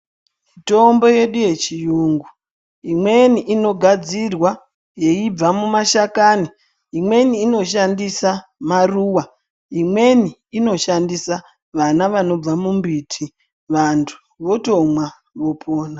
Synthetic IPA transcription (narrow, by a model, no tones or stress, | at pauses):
mito̞mbo̞je̞ɗuje̞t͡ʃijuːŋɡu | imwe̞niʔino̞ɡʱad͡zirwa | je̞ib͡vamumaʃakani | imwe̞niːno̞ʃandisamaruːwa | imwe̞niːno̞ʃandisa | ʋanaʋano̞b͡vamumbitʰi | ʋantʰu̥ | ʋo̞to̞mwa | ʋo̞pʰoːna